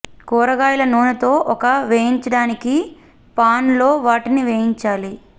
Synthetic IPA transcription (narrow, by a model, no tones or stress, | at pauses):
kɔːɾɐɡaːjlɐnuːnɐt̪o̞ːʔɔkɐʋeːjiɲt͡ʃɐɽaːniki | paːnlo̞ːʋaːʈiniʋeːjiɲt͡ʃaːli